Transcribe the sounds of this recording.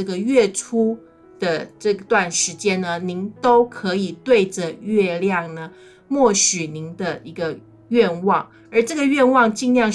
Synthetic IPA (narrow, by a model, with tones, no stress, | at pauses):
ɤ˥˩ɡə˩ɥɛ˥˩ʈ͡ʂʰu˥ | d̪̥ə˨ʈ͡ʂɤ˥˧t̪wa˥˩nʂɻ̩˧˥t͡ɕjɛ˥nnə˧ni˧˥ŋt̪o˥ʊkʰɤ˧˥i˨˩t̪we˥˩ɪʈ͡ʂə˩ɥɛ˥˧ljɑ˥˩ŋnə˩ | mwɔ˥˩ɕy˨˩ni˧˥ŋd̪ə˧i˧˥ɡə˧ | ɥɛ˥˧nwɑ˥˩ŋ | ə˞˧˥ʈ͡ʂɤ˥˩ɡə˩ɥɛ˥˧nwɑ˥˧ŋt͡ɕi˥˧ŋljɑ˥˧ŋ